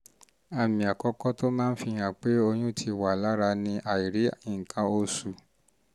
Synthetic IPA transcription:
a˧mĩ˨a˨kɔ˦kɔ˦to˦mãː˦n̩˦fi˧ɲ̃ã˨k͡pe˦o˧ɲũ˦tʰi˧wa˨la˨˦ɾa˧nĩ˧ʔa˨i˨ɾi˨˦ĩ˦˨kʰã˧o˧su˨

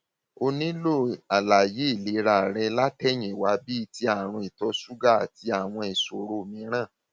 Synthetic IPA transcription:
o˧nĩ˦lo˦˨a˨la˨je˨˦˨li˨˦ɾa˨ɾɛ˧la˦tɛ˦˨ɲ̃ĩ˨wa˨˦bi˦˧ti˧a˨ɾ̃ũ˧i˨tɔ˨˦su˦ɡa˦˨a˨ti˧a˨w̃ɔ̃˧i˨so˨ɾo˧˨mĩ˨˧˦ɾ̃ã˦˨

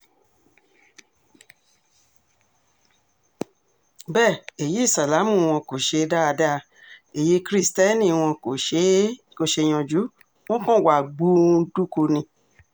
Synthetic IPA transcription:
bɛ˦˨e˨je˨˦i˦˨sa˨la˨˦mũ˦˨w̃ɔ̃˧ko˨ʃe˧da˦a˧da˦˧ | e˨je˨˦kɾi˦stɛ˦nĩ˧˨˧w̃ɔ̃˧ko˨ʃe˦ | ko˧˨ʃe˧j̃ɔ̃˧d͡ʒu˨˦ | w̃ɔ̃˦kɔ̃˦˨wa˨ɡ͡bu˦du˦ko˧nĩ˧

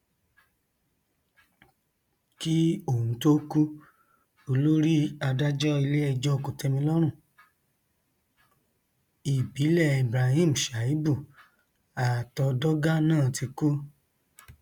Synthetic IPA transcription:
ki˦o˨ũ˨˦to˦ku˦ | o˧lo˦ɾi˦a˧da˦d͡ʒɔ˦i˧le˦ɛ˧d͡ʒɔ˦˧ko˨tɛ˧mĩ˧lɔ˦ɾ̃ũ˦˨ | i˨bi˨˦lɛ˦˨i˨bɾa˧hĩ˦˨m̩˨ʃa˨i˦bu˦˨ | a˨tɔ˧dɔ˦ɡa˦nãː˦˨ti˧ku˦

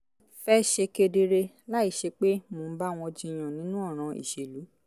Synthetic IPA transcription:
fɛ˦ʃe˧ke˧de˧ɾe˧ | la˦i˦˨ʃe˧k͡pe˦mo˨˦ba˦w̃ɔ̃˧d͡ʒĩ˧˨j̃ã˨nĩ˨˦nũ˦ɔ˦˨ɾ̃ã˧ḭ˨ʃe˨lu˨˦

